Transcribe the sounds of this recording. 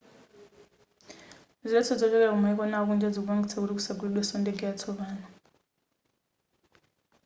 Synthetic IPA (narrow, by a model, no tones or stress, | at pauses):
ziɛtʰɔd͡zɔd͡ʒɛk̬ʼɛk̬umaɛk̬ʼɔnauk̬ʼund͡ʒʱad͡zok̬uɓaŋɡʱisak̬uɾik̬usak̬uliɗwɛsɔntʼɛŋɡɛjatʰɔɓaːna